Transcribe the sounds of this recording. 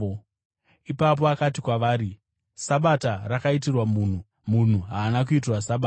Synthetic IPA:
ipap̬o̞akat̬ikwaʋaːɾi | saɓatarakait̬irwamuːn̤u | mun̤uɦaːnak̬uit̬irwasaɓaː

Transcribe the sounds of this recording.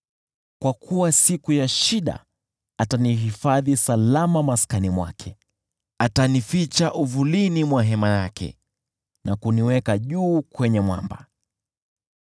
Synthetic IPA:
kwakʰuwasikujaʃiɗa̰ | ataniɦifaðisalamamaskanimwa̰kʰɛ | atanifit͡ʃaʔuvulinimwaɦɛmajakʰɛ̰ | nakuniwɛkaʄuːkwɛɲɛmwa̰mba̰

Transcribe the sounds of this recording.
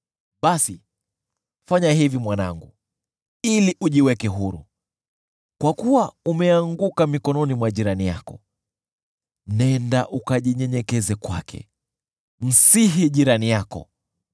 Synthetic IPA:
ɓasi | faɲahivimwana̰ŋɡu | iliʔuʄiwɛkɛɦuɾṵ | kwakuwaumɛaŋɡukamikɔnɔnimwaʄiɾanija̰kɔ̰ | nɛndaʔukaʄiɲɛɲɛkɛzɛkwa̰kʰɛ̰ | m̩siɦiʄiɾanijakɔ̰

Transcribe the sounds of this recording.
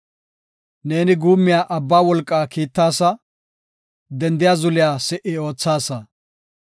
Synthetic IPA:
ne̞ːnɪɡuːmːɪjaːʔɐbːaːwɔlkʼːaːkiːt̪ːaːsɐ | d̪ɛnd̪ɪjaːzʊlɪjaːsɛʔɪo̞ːt͡sːaːsɐ

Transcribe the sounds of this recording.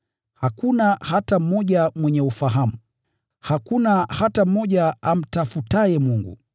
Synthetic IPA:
hakunahatam̩ɔʄamwɛɲɛufaɦamu | hakunahatam̩mɔʄaam̩tafutajɛmuŋɡṵ

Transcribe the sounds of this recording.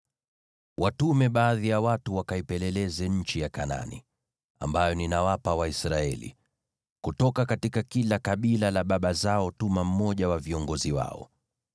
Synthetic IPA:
wʔatumɛɓaːðijawatuwakaipɛlɛlɛzɛɲ̩t͡ʃijakana̰nḭ | a̰mbajɔninawapawaisɾaɛ̰lḭ | kutɔkakatikakilakaɓilalaɓaɓazaɔtumam̩mɔʄawaviɔŋɡɔziwa̰ɔ̰

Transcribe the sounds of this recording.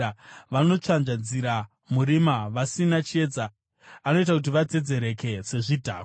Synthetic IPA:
ʋano̞t͡ʂanʐad͡ziɾa | muɾimaʋasinat͡ʃie̞d͡za | ano̞it̬akut̬iʋad͡zed͡ze̞ɾe̞ke̞se̞ʐidʱaː

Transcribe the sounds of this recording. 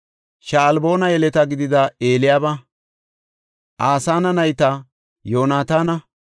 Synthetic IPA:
ʃaːlbo̞ːnɐjɛlɛt̪ɐɡɪd̪ɪd̪ɐeːlɪjaːbɐ | ʔaːsaːnɐnɐjt̪ɐ | jo̞ːnaːt̪aːnɐ

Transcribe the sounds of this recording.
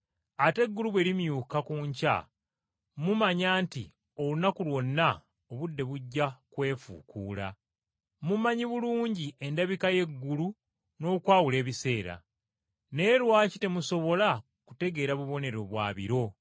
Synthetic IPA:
ate̞ɡːuluβwe̞ːɾimjuːkakuːɲca̰ | mumaɲaːntḭ | o̞lunakulwo̞nːa | oβudːe̞βuɟːakwe̞ːfṵkuːla̰ | mumaɲiβuluːɲɟiʔe̞ndaβikaje̞ɡːulu | no̞ːkwaːwule̞ːβise̞ːɾa̰ | ne̞ːlwaːcite̞muso̞βo̞la | ku̥te̞ɡe̞ːɾaβuβo̞ne̞ɾo̞βwa̰ːβḭɾo̞

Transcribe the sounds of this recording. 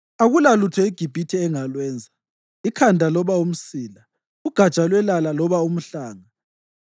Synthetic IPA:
aɣulalutʰɔiɡ̥ʱib̥ʱitʰɛːŋalwɛːnd͡zʱa | ikʰandʱalɔβaum̩siːla | uɡ̥ʱat͡ʃʼalwɛlalalɔβaum̩ɬaːŋa

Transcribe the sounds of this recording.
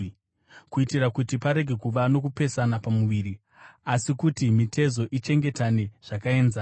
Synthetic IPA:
kuitiɾakutipaɾe̞ɡʱe̞kuʋano̞kupe̞sanapamuʋiɾi | asikutimitʰe̞zo̞ʔit͡ʃe̞ŋɡe̞tane̞ʐ̥akae̞nza

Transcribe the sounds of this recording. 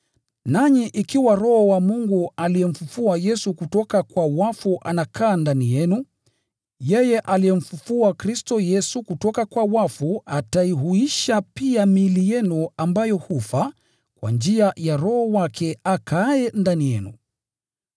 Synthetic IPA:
naɲiʔikiwaɾɔhɔwamuŋɡualijɛm̩fufuajɛsukutɔkakwawafuʔanakʰaːndanijɛnu | jɛjɛʔalijɛm̩fufuakɾistɔjɛsukutɔkakwawafuataiɦuiʃapiamilijɛnuambajɔhufa | kwa̰nd͡ʒiajaɾɔhɔwakʰɛakʰaɛndanijɛnṵ

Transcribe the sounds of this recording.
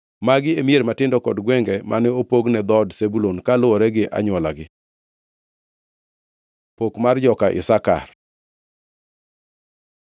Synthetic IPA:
maɡɪemieɾmatɪndɔkɔdɡwɛŋɡɛmʔa̰nɛopoɡnɛd̪ɔdsebulonkalʊwɔɾɛɡɪʔa̰ɲwɔlaɡɪ | pokmard͡ʒɔkaʔɪ̰saka̰r

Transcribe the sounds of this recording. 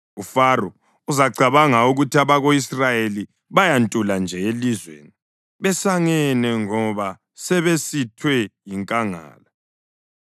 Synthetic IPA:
ufarɔ | uzaɡ͡ǀʱaβaŋauɣutʰiaβaɣoisrajeli | βajantʼuland͡ʒʱɛelizwḛːni | βɛsaŋɛnɛŋɔβa | sɛβesitʰwɛjiŋkʼaŋa̰ːla

